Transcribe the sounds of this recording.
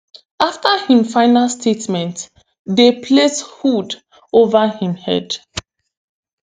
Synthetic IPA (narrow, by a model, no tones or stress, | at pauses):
aftəhĩmfaɪnalstʰetmɛ̃nt | depʰleshud | ovəhĩmhɛ̰d